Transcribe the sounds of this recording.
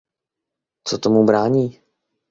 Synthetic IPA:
t͡sot̪omubɾaːɲiː

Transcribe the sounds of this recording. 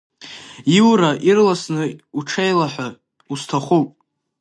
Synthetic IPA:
iwɾaʔirlasnɨuʈ͡ʂʰejlaħʷa | ustʰaχʷowpʼ

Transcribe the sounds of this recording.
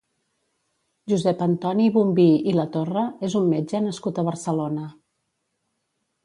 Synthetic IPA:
ʒuzɛpənt̪ɔniβumbiilət̪orəezumːed͡ʒənəskut̪əβ̞əɾsəlonə

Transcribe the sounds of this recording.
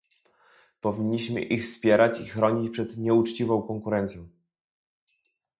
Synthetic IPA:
pɔvʲiɲːiɕmɘ̰ʔixfspʲjɛɾat͡ɕixɾɔɲit͡ɕpʂɛd̪ɲɛut͡ʂt͡ɕivɔ̃w̃kɔŋkuɾɛnt̪sjɔ̃w̃

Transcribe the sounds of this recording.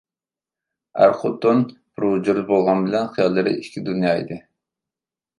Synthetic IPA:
æ̰ɾχʊt̪ːonb̥ɾud͡ʒuɾbolˠʁɑnbɪlɛnχijɑlˠːɨɾɨ̰iʃkʲʰid̪unjɑːḭd̪ɨ

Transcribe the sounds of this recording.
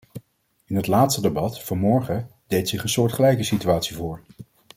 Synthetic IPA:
ɪnɦətlaːtstədəbɑtfɑnmɔɹχədejtsɪχənsʊːɹtχəlɛjkəsityaːtsivʊːɹ

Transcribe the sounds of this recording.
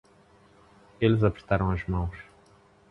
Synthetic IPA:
elɪzapɾet̪aɾɐ̃w̃ɐzmɐ̃w̃s

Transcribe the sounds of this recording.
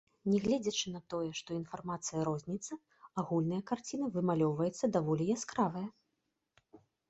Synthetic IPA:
nʲɛɣlʲɛd͡zʲɐt͡ʂɨn̪ɐt̪ɔjɛʂt̪ɔinfarmat̪sɨjɐɾɔzʲnʲit̪sːɐ | aɣulʲnɨjɐkart͡sʲinɐvɨmalʲɔwvɐjɛt̪sːɐd̪avɔlʲijaskɾavɐjɐ

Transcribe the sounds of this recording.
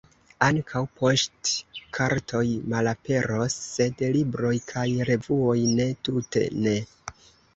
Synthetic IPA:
aŋkʰawpʰo̞stkʰaɾtʰo̞jmalape̞ɾo̞sːe̞dlibɾo̞jkʰajɾe̞vuo̞jne̞tute̞̰ne̞

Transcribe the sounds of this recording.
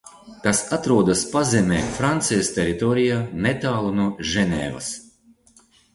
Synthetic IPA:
kasat̪ɾuɔd̪aspazɛmʲɛːfɾant̪sɛjst̪ʲeɾit̪ɔɾijanet̪aːlˠunuɔʒɛnʲɛ̰ːvɐ̰s

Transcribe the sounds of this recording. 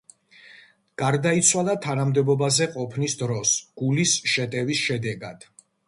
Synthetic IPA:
ɡ̥aɾd̪ait̪sʰwalˠat̪ʰanamd̪ɛbɔbazɛqʼɔpʰnisd̪ɾɔsɡ̥ulisʃɛt̪ʼɛvisʃɛd̪ɛɡad̪̥

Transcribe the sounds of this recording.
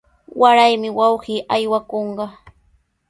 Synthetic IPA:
waɾajmɪwɑwɢiːʔajwakoɴɢɑ

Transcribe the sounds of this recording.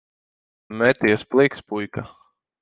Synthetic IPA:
mɛt̪ʲijɛsplˠikspujka

